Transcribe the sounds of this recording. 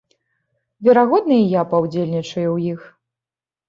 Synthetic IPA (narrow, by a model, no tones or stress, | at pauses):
vʲɛɾaɣɔd̪̚nɨjijapawd͡zʲelʲnʲit͡ʂɐjuwjix